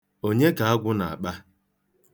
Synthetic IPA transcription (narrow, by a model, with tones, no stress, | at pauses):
o˦ɲe˦ɡa˨a˦ɡʷʊ˦na˨a̰˨k͡pa˦